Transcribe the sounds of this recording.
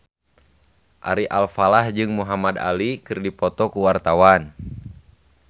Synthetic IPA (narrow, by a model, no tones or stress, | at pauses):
ʔa̰ɾiʔalfalahd͡ʒɨŋmuɦamad̪a̰likɨrdipɔt̪ɔkuwart̪awan